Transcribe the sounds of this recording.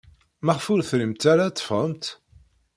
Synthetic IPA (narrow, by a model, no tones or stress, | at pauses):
mæʁfʊɾθɾəmt̪aɾat̪ˤːə̥fəmt̪